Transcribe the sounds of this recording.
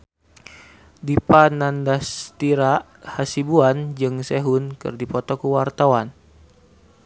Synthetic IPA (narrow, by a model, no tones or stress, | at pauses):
dipanandast̪iɾaʔ | hasibuand͡ʒɨŋseɦunkɨ̰rdipɔt̪ɔkuwart̪awan